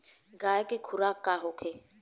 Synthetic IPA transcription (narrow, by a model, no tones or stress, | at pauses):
ɡaɛkʼɪkʰuɾakʼaɦʊkʰɪ